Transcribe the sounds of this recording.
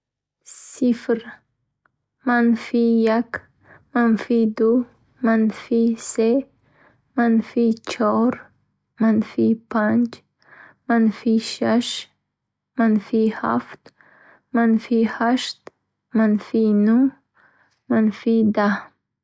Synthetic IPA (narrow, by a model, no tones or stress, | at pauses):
sifɾ | manfijak | manfid̪u | manfise | manfit͡ʃʰɔɾ | manfipʰand͡ʒ | manfiʃaʃ | manfiha̰ft̪ | manfihaʃt̪ | manfinu | manfid̪a